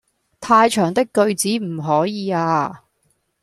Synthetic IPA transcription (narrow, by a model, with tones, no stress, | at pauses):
t̪ʰaː˧jt͡ʃʰœː˨˩ŋt̪ɪ˥kːɵ˧ɥt͡siː˨˥m̩˨˩ɦɔː˨˥jiː˨˧aː˧